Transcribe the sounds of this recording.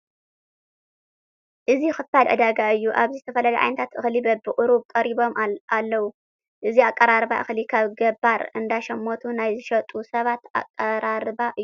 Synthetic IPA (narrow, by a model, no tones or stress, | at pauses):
ʔɨzixɨfalʕɨ̰d̪aɡaɨjːuʔaβzizɨt̪ʰɐfɐlɐlɐʕa̰jnɐt̪ʰat̪ʔɨxlibɐbɨʔʼɾubkʼɐɾiβo̞malːɐwu | ʔɨziakʼːɐɾaɾβa̰ʔɨxlikʰaβɡɐbːaɾɨ̰nd̪aʃɐmːot̪ʰunajzɨʃɐt̪ʼusɐβat̪a̰kʼːɐɾaɾɨbaʔɨju